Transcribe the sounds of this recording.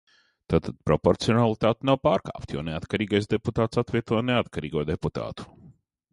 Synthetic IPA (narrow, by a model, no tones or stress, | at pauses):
t̪aːt̪ad̪̥̚pɾɔpɔɾt̪siɔnalˠit̪aːt̪nawpaːɾka̰ːpt̪jɔ̰ːneat̪kaɾiːɡajs̬d̪eput̪aːt̪sat̪vʲiɛt̪uɔneat̪kaɾḭːɡuɔd̪eput̪a̰ːt̪u̥